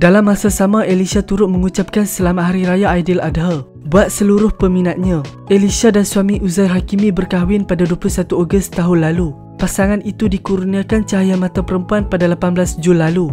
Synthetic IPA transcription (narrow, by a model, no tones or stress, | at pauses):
dalamːasasamaʔelisat̪uɾʊt̪̚məŋut͡ʃap̚kansəlamaɦaɾiɾajaajdɪladɦa | buat̪̚səluɾʊhpəmĩnat̪̚ɲã | elisadansuamiʔuzajɦakimĩbərkaɦwɪnpadaduaplusat̪uoɡʊst̪aɦʊnlalu | pasaŋanit̪udikuɾuniakant͡ʃaɦajamãt̪apəɾəmpuanpadalapanbəlasd͡ʒunlːalu